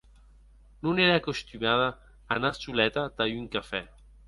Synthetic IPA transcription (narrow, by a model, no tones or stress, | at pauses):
nunɛɾaːkost̪ymaðaː | nat͡ʃulɛt̪at̪ajyŋkafɛ